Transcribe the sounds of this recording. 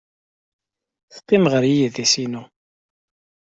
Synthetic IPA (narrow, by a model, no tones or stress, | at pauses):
θqːimʁəɾijiðæsinu